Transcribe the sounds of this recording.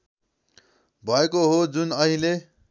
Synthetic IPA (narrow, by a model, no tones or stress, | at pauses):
bʱʌekoɦod͡zunʌɦile